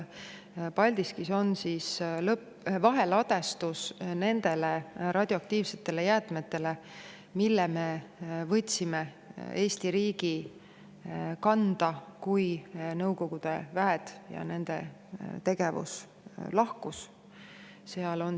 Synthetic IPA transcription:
pɑlʲd̪iskiso̞nsiːslɤp | vɑɦe̞lɑd̪̥e̞st̪usne̞nd̪̥e̞leɾʔɑd̪̥ʲjoɑk̚t̪iːvse̞t̪ːe̞le̞jæːt̪ˑme̞t̪ːe̞le̞ | milːeme̞vɤ̞t̪ʲsime | e̞ːst̪iɾiːɡi | kɑnd̪̥ɑkujnɤwko̞ɡ̥ud̪̥e̞væɦet̪jɑ̰ne̞nd̪̥e̞̰ | t̪e̞ɡ̥e̞vṵs | lɑhkus | se̞ɑlo̞n

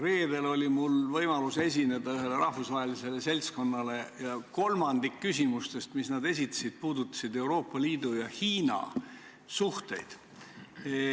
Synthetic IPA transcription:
re̞ːd̪e̞lo̞lʲimulvɤjmɑluse̞s̬ʲine̞d̪̥ɑyɦe̞leɾɑhvusvɑɦelise̞le̞se̞lʲsko̞nːɑle̞jɑko̞lmɑnd̪ikːysʲimust̪e̞st̪misnɑd̪e̞s̬ʲit̪ːˑɑ̥sid̪̥̚puːd̪ut̪ːˑɑ̥sid̪e̞uwɾo̞ːpːˑɑliːd̪̥ujɑhiːnɑ̰ | suht̪e̞̰jd̪̥

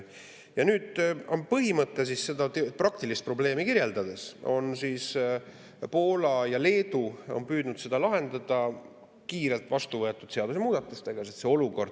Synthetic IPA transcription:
jɑnyːd̪̥o̞npɤɦimɤt̪ːˑes̬isse̞d̪ɑt̪eprɑkt̪ilist̪̚pro̞ble̞ːmikiɾje̞ld̪ɑd̪̥e̞so̞̰nsis | po̞ːlɑjɑle̞ːd̪̥uo̞̰npyːd̪̥nud̪̥se̞d̪ɑlɑɦe̞nd̪ɑd̪̥ɑ | kiːɾe̞lt̪ˑvɑst̪uvɤ̞e̞t̪ːˑud̪̥se̞ɑd̪usemuːd̪̥ɑt̪ːˑust̪eɡ̥ɑset̪se̞o̞luko̞rd̪̥

